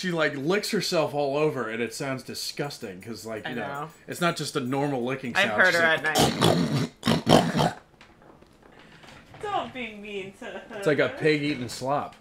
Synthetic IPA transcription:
ʃilaɪklɪkshə˞sɛlˠfɔlˠoʊvə˞ɨ̃nɨtsãʊ̃ndzdɨskʌstɪ̃ŋkʰʌzlaɪkjɨnoʊɨtsnət̚d̥ʒ̥ʌstɨnɔɹml̩ˠlɪkɪ̃ŋaʃɪḁʊhɜ˞d̚ə˞ɨtⁿnaɪ | d̥õʊ̃nb̥iɪ̃ŋmintɪslaɪkɨpʰɪɡiɾ̃n̩slɑp̚

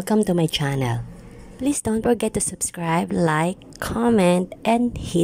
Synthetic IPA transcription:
lkɐ̃mt̪umajt͡ʃænɛ̰l | pliːsd̪̥õwnt̪fɔɹɡɛt̪ːusʊb̥skɹaɪblaɪkʰːɔmɛ̃nt̪̚ʔɛ̃nd̪hi

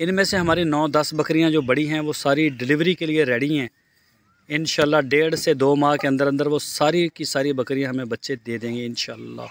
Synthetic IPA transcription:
ɪnmẽseɦɐmaːɾinɔːd̪ɐsbɐkɾijãd͡ʒoːbɐɽiɦɛ̃ʋoːsaːɾiɖɪlɪʋɾikelieɾɛːɽiɦɛ̃ː | ɪnʃaːəlːaːɖeːɽsed̪oːmãːkeɐ̃nd̪əɾə̃nd̪əɾʋosaːɾikisaːɾibɐkɾijãɦɐmẽbɐtːʃed̪eːd̪ẽːŋɡeɪnʃaːlːa̰ː

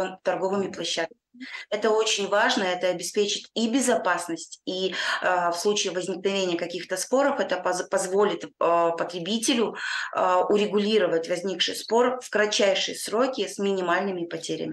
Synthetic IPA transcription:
nt̪ɐrɡo̞vɨmʲɪplˠɐɕːat̪̚kəmʲɪɪɛt̪əo̞t͡ɕɪnʲvaʐnəɛt̪əɐbʲɪspʲet͡ɕɪtʲibʲɪzɐpasnəsʲtʲi | fslˠut͡ɕɪːvəzʲnʲɪknɐvʲenʲɪjəkɐkʲixt̪əspo̞ɾəfɛt̪əppɐzvo̞lʲɪt̪pət̪ɾʲɪbʲitʲɪlʲʊ | ʊɾʲɪɡʊlʲiɾəvətʲvɐzʲnʲikʂɨjspo̞rfkɾɐt͡ɕːæjʂɨjəsɾo̞kʲɪsmʲɪnʲɪmalʲnɨmʲɪpɐtʲeɾʲɪ̰mʲɪ

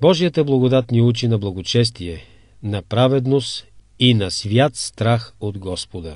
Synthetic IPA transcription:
bɔʒijət̪əblˠɐɡod̪at̪niut͡ʃinɐblˠɐɡot͡ʃɛst̪iɛ | nɐpɾavɛd̪nost̪ | inɐsvʲjat̪st̪ɾaxod̪ɡɔspod̪ɐ

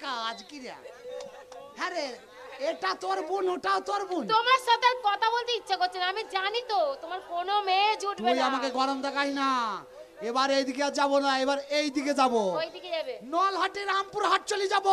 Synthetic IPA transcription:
kaad͡ʒkiɾia̰ | hɛɾe | eʈat̪oaɾbunoʈaot̪oaɾbunt̪omaɾʃɔt̪aɾkɔt̪ʰabolt̪eitːʃʰakoɾt͡ʃʰenamid͡ʑanit̪ot̪omaɾkonomed͡ʑʱuʈbeojamakeɡʱɔɾond̪akaɦina | ebaɾejd̪ikead͡ʑabonaebaɾejd̪iked͡ʒaboojd̪iked͡ʑabenɔlɦaʈeɾɦampuɾɦaʈ̚t͡ɕolid͡ʑabo

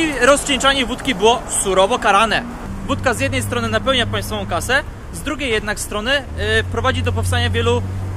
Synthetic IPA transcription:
iɾɔst͡ɕʲɛnt͡ʂaɲɛvut̪kʲibɘwɔsuɾɔvɔkaɾanɛ | vut̪̚kazʲjɛd̪nɛjst̪ɾɔnɘnapɛwɲapaj̃st̪fɔvɔ̃w̃kasɛ | zd̪ɾuɡʲejːɛd̪nakst̪ɾɔnɘpɾɔvad͡ʑid̪ɔp̬ɔfst̪aɲavʲjɛlu

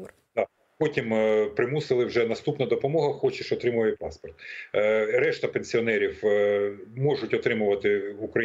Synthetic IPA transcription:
d̪ɑ | pɔtʲimpɾɪmusɪlˠɪwʒɛnɐst̪upnɐd̪ɔpɔmɔɦɐxɔt͡ʃɪʃɔt̪ɾɪmʊʋɐjɛpɑspɔrt̪ | ɾɛʃt̪ɐpenʲsʲiɔnɛɾʲiw | mɔʐʊtʲɔt̪ɾɪmʊʋɐt̪ɪukɾɐ

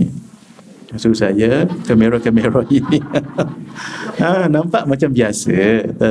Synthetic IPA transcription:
asusajakəmẽɾokəmẽɾoini | ãnãmpaʔmãt͡ʃambiasət̪a

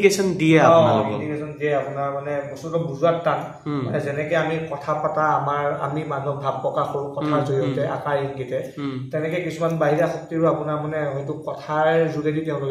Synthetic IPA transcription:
kesɔndijɛapɔnadikesɔndijɛapʊnaɹmanɛbɔsutɔbuzuatːan | manɛzɛnɛkɛamikɔtʰapataːmaɹa̰mimanuɔk̚bʱab̚pːɹɔkaxoɹukɔtʰazoɹiɔtɛʔa̰kaɹiŋɡitɛtɛnɛkɔjkisumanbaɦiɹaxɔk̚tiɹuapunaɹmanɛɦɔjtʊkɔtʰaɹzuɡeditɛʊ̃lok

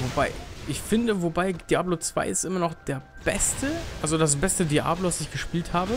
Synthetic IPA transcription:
vobaɪʔɪçfɪndəvobaɪd̥iaːblot͡sv̥a̰ɪɪstʔɪmɐnɔχd̥eːɐb̥ɛstəʔalzodas̬b̥ɛstədiʔa̰ːblovasɪçɡ̥əʃpiːlthaːbə

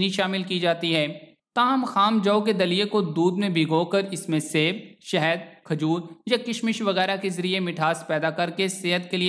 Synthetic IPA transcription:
niʃaːmɪlkid͡ʒaːt̪iɦɛː | t̪aːɦəmxaːmd͡ʒɐoked̪ɐlijekod̪uːd̪mẽbʱiɡoːkɐɾɪsmẽseːbʃɛɦəd̪̚kʰɐd͡ʒuːɾjakɪʃmɪʃʋɐɣɛːɾakezɐɾijemɪʈʰaːspɛːd̪akɐɾkeseːɦət̪keli

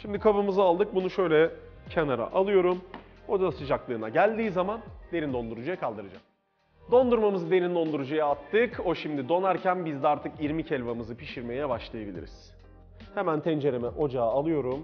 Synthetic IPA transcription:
ʃimd̪ikʰabɯmɯzɯalˠd̪ɯk̚bunuʃø̞jlʲɛ | cʰenaɾa̰ʔalˠɯjo̞ɾum | o̞d̪asɯd͡ʒaklˠɯːnaɟælʲd̪iːzamand̪e̞ɾind̪o̞nd̪uɾud͡ʒajakʰalˠd̪ɯɾɯd͡ʒa̰m | d̪o̞nd̪uɾmamɯzɯd̪e̞ɾind̪o̞nd̪uɾud͡ʒujaat̪ːɯko̞ʃimd̪id̪o̞naɾcænbizd̪ɛaɾt̪ʰɯkjiɾmicʰɛlʲvamɯzɯpʰiʃiɾme̞jɛbaʃlˠajabilʲḭɾiz̥ | hemænt̪ʰɛnd͡ʒe̞ɾemɛʔo̞d͡ʒaːlˠɯjo̞ɾum

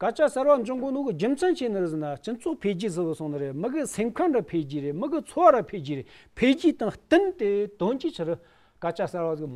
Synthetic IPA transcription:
kat͡ɕʰahsarwaɲd͡ʑoŋɡonokəɦd͡ʑəmt͡sʰanɕenərəzənaɕət͡sʰoχpʰelɦd͡ʑizəwasʰoŋnaɾelməkəsʰemkʰaŋrə̥pʰelɦd͡ʑiɾelməkət͡sʰowaɾəpʰelɦd͡ʑiɾe̥pʰelɦd͡ʑit̪aŋht̪ənt̪et̪ont͡ɕit͡ɕʰəɾə | kat͡ɕʰahsarwazək̚

